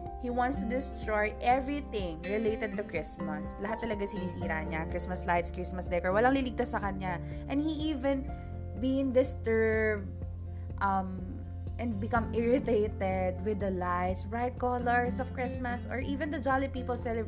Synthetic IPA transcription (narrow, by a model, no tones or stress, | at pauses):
hiwãnt̪st̪ʊd̪ɪst̪ɹojʔɛvɹiθɪ̃ŋɹɛlejt̪ɛd̪̚t̪ʊkɹɪsmɐslɐɦat̪ːɐlɐɡasinɪsʔiːɾaɲakɹɪsmɐslajt̪skɹɪsmɐsd̪ɛkɔɹwɐlaŋlilɪɡ̚t̪asːɐkɐɲa | ʔɛ̃nhiʔiːvɛ̃n | biɪ̃ŋd̪ɪst̪ɜɹb̚d̪̚ | ʔɐm | ʔɛ̃nd̪̚bɪkɐmʔɪɹɪt̪et̪ɛd̪̚wɪd̪ɐlajt̪sɹajt̪̚kɔləɹsɔv̥kɹɪsmɐsɔ̰ɹʔiːvɛ̃nd̪ɐd͡ʒalipiːpəlsɛlɛ